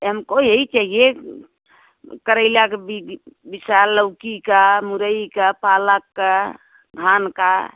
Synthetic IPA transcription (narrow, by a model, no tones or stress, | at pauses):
ɦəmkoiɦəit͡ʃaɦie | kəɾəɪlakebibisaləʊkikamuɾəikapalakːa | ɡʱanka̰